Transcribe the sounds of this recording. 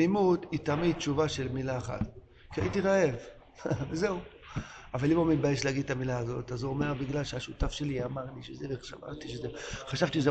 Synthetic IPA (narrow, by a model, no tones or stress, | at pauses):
imut̪it̪amid̪̚t͡ʃuvaʃe̞lmilaeχa̰t̪ | kiait̪iʁaev | veze̞u | avalimumit̪̚bajeʃleaɡid̪̚t̪amilaːzo̞t̪azuome̞ʁbiɡlalʃeaʃutafʃe̞liamaʁliʃezeveʃa̰ma̰ʁt̪iʃezeχaʃavt̪iʃeze